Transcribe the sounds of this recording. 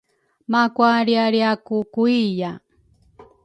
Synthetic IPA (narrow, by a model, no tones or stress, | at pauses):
makwaɾiaɾiakukuija